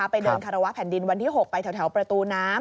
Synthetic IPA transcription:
a˦˥pa˧jdɤː˧nkʰaː˧ɾa˧wa˦˥ʔpʰɛː˨˩˦ndi˧nwa˧nt̪ʰiː˥˩ɦo˨˩k̚pa˧jt̪ʰɛ˦t̪ʰɛ˩˦wpɾa˧t̪uː˧naː˦˥m

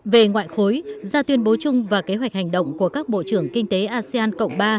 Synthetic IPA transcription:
ve˨˩ŋwa̰ː˧˨jxo˨˦jzaː˧t̪wi˧ənɓo˨˦t͡ɕʊ˧ŋ͡mvaː˨˩ke˨˦ɦwa˨˩jk̚ha˨˩jŋ̟ɗə̰˧˨wŋ͡mku˧˩əkaː˦˥k̚ɓo̰˧˨t͡ɕɨ˧˩əŋkï˧ŋ̟t̪e˨˦ʔaː˧si˧aː˧nkə̰˧˨wŋ͡mɓaː˧

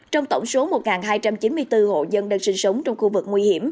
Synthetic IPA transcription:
t͡ɕɔ˧wŋ͡mt̪ə˧˩wŋ͡mso˨˦mo˨˩t̚ŋaː˨˩nɦaː˧jt͡ɕa˧mt͡ɕi˨˦nmɨ˧əjt̪ɨ˧ho̰˧˨zə˧nɗə˧nsï˧ŋ̟sə˨˦wŋ͡mt͡ɕɔ˧wŋ͡mxu˧vɨ˨˩k̚ŋwi˧hi˧˩əm

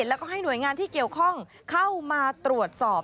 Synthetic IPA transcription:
t̪lɛː˦˥wkɔː˥˩ɦa˥˩jnu˩˦jŋaː˧nt̪ʰiː˥˩ki˨˩əwkʰɔ˥˩ŋ | kʰa˥˩wmaː˧t̪ɾu˨˩ət̪̚sɔː˨˩p̚

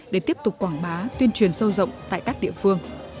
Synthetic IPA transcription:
ɗe˧˩t̪i˦˥əp̚t̪ʊ˨˩k͡p̚kwaː˧˩ŋɓaː˨˦t̪wi˧ənt͡ɕwi˧˩ənsə˧wzə̰˧˨wŋ͡mt̪a̰ː˧˨jkaː˦˥k̚ɗḭ˧˨əfɨ˧əŋ

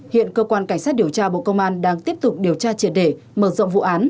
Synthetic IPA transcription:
hḭ˧˨ənkəː˧kwaː˧nka˧˩jŋ̟saː˦˥t̚ɗi˧˩əwt͡ɕaː˧ɓo̰˧˨kə˧wŋ͡mʔaː˧nɗaː˧ŋt̪i˦˥əp̚t̪ʊ˨˩k͡p̚ɗi˨˩əwt͡ɕaː˧t͡ɕi˧˩ənɗe˧˩ | məː˧˩zɔ̰˧˨ŋ͡mvṵ˧˨ʔaː˨˦n

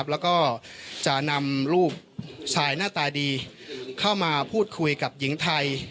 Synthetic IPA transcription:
p̚lɛː˦˥wkɔː˥˩t͡ɕa˨˩na˧mɾuː˥˩p̚sʰaː˧jnaː˥˩t̪aː˧diː˧kʰa˥˩wmaː˧pʰuː˥˩t̪̚kʰu˧jka˨˩p̚ji˩˦ŋt̪ʰa˧j

